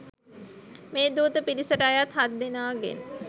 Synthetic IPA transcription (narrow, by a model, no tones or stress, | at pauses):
meːd̪uːt̪əpiɾisəɾajat̪ɦad̪ːenaːɡḛn